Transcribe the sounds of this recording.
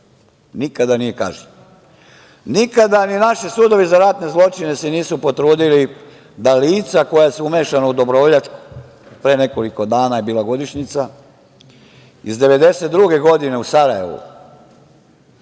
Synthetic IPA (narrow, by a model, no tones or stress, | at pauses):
nikad̪anije̞ka̰ːʒe | nikad̪aninaʃisuːd̪o̞ʋizaɾat̪ne̞zlˠo̞t͡ʃine̞seniːsupo̞t̪ɾuːd̪ili | d̪aliːt̪sako̞jasuume̞ːʃanaud̪o̞bɾooʎat̪ku̥ | pɾeːne̞ko̞liko̞d̪aːnajebiːlaɡo̞d̪iʃɲit̪sa | izd̪e̞ʋe̞d̪e̞set̪̚d̪ɾuɡe̞ɡo̞d̪ine̞usaɾaje̞̰ʋṵ